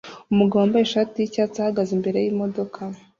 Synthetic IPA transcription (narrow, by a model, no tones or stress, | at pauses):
umuɡawambajeʃaːtijicaːt͡sahaɡazimbe̞ɾe̞jimo̞do̞kʰa